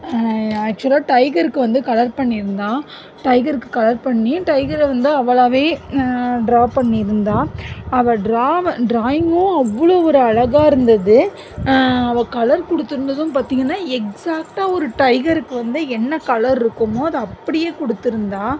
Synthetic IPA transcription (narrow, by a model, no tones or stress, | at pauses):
æːk̚t͡ʃʊɐlaːʈɐɪɡɐɾɯkːɯʋɐnd̪ɯkɐlɐɾpɐɳːɪɪɾɯnd̪aː | ʈɐɪɡɐɾɯkːɯkɐlɐɾpɐɳːiʈɐɪɡɐɾʋɐnd̪ɯɐʋːɐɭaːʋeː | ɖɾaːpɐɳːiɪɾɯnd̪aːɐʋɐɖɾaːʋɖɾaːjɪŋɡʊ̃ɐʋːɐɭoːɔɾɯɐɭɐɣaːɪɾɯnd̪ɐðɯ | ɐʋɐkɐlɐɾkɔɽɯt̪ːɯɪɾɯnd̪ɐðɯmpaːɾt̪iːŋɡɐnːaːɛksaːk̚ʈaːɔɾɯʈɐɪɡɐɾɯkːɯʋɐnd̪ɯɛnːɐkɐlɐɾɪɾɯkːɯmoːɐðɯɐpːɐɽɪjeːkɔɽɯt̪ːɯɾɯnd̪aː